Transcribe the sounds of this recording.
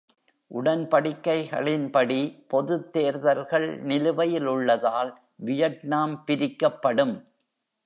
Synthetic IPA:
ʔʊɽɐnpɐɽɪkːɐɪɣɐ̰ɭɪnpɐɽipɔðɯt̪ːeːɾðɐɾɣɐɭnɪlɯʋɐjɪlʊɭːɐðaːl | ʋɪjɐʈnaːmpɪɾɪkːɐpːɐɽɯm

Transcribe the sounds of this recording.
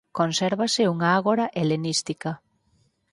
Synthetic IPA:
konseɾβasɪuŋaaɣoɾaʔelenist̪ika

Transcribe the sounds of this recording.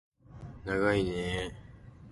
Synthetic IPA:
naɡaine

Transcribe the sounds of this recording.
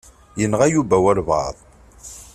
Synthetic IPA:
jənʁæjubæwæɾvɑ̰ðˤ

